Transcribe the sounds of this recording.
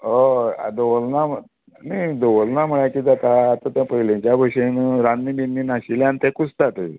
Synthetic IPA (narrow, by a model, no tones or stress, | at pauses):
oa̰d̪əʋəlnamə | nəjd̪əʋəlnam̤əɭakiːd͡zat̪aːt̪at̪ãpəɦilẽt͡ɕjabʱəɕenɾanːibinːinaɕiljãnt̪ɛ̃kut͡st̪at̪ə